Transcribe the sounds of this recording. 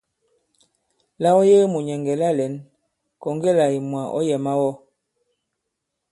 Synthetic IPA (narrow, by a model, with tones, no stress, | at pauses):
la˦wɔ˦je˦mu˨ɲɛ˨ŋɡɛ˨la˦lɛ˨˦n | kɔ˨ŋɡɛ˦˨la˨i˨mwa˨ʔɔ̰˦jɛ˨ma˦wɔ˦